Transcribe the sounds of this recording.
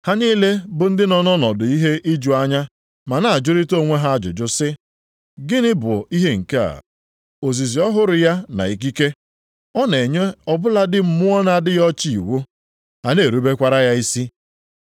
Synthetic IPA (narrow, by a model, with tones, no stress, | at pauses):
ha˦niː˦le˦bʊ˨n̩˦dɪ˦nɔ˨nɔ˦nɔ˨dʊ˨i˦ɦe˦ʔi˦d͡ʒu˨a˦ɲa˦ | ma˨na˨a˨d͡ʒʊ˦ɾi˦to˦˨ŋʷe˦ɦa˦a˦d͡ʒʊ̰˨d͡ʒʊ˦sɪ˦ | ɡɪ˦nɪ˦bʊ̰˨i˦ɦe˦ŋ̩˨ke˦a̰˨ | o˨zi˨zi˨ɔ˦ɦʊ˦ɾʊ˨ja˦na̰˨i˨k̬i˦ke˦ | ɔ˦ne˨ɲe˦ɔ˦bʊ˦la˦dɪ˦m̩˨mʊ˦ɔ˦na˦˨dɪ˦jɔ˦t͡ʃi˦i˨wo˦ | ha˨ne˨ɾu˦be˦kʷa˦ɾa˦ja˦i˦si˦